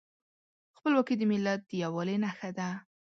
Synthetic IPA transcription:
xpəlwɑkid̪əmɪlːat̪̚d̪̥əjawɑlenaxad̪a

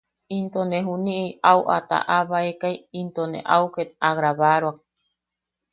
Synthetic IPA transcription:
int̪oneɦuniʔiauʔa̰t̪a̰ʔaβaekajint̪onḛʔauket̪̚aɣɾaβaɾoak̚

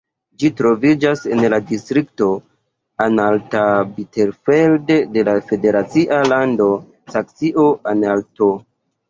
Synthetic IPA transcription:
d͡ʒitɾo̞vid͡ʒase̞nladistɾikto̞ | analtabite̞ɾfeldde̞lafe̞de̞ɾat͡siʔalando̞ | saksiʔoʔanalto̞

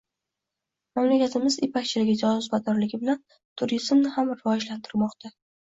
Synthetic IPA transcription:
mamlakʲat̪ʰɪmɪzɪpʰakʲt͡ʃʰɪlɪɡʲɪd͡ʒɒsʊzbad̪ɒɾlɪɡʲɪbɪlan | t̪ʰʊɾizmnɪhamɾɪvɒd͡ʒlant̪ʰɪɾmɒqt̪ʰa

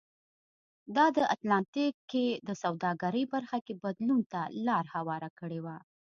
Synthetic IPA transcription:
d̪ɑd̪əʔat̪lɑnt̪ikːed̪əsawd̪ɑɡaɾəjbaɾxakebad̪lunt̪alɑɾhawɑɾakəɽewa

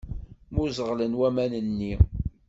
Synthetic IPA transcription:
mʊzəʁlənwæmænənːi

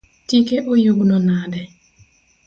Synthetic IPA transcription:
tikeʔojuɡnɔnadɛ

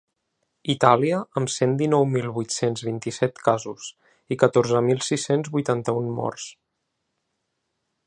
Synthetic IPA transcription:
it̪aliəəmsend̪inɔwmilˠβujt̪senzβint̪isɛt̪kazus | ikət̪oɾzəmilˠsisenzβujt̪ant̪əunmɔ̰rs

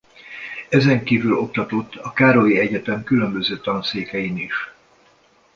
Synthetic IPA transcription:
ɛzɛŋkiːvylo̞k̚t̪ɒt̪o̞t̪ːɒkaːɾojiɛɟɛt̪ɛmkylø̞mbø̞zøːt̪ɒnseːkɛjiniʃ

